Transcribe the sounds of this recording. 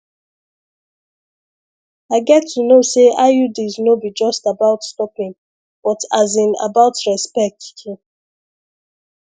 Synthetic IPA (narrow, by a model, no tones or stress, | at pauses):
aɪɡɛtʰːunoseʔaɪjudiznobid͡ʒɔstabaʊtstɔpĩŋ | b̥ɔtʰazĩna̰baʊtɹɛspɛk̚thi